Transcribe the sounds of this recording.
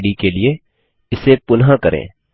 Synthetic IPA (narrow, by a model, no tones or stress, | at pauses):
ɽikelie | ɪsepʊnɦãkɐɾʔḛ̃ː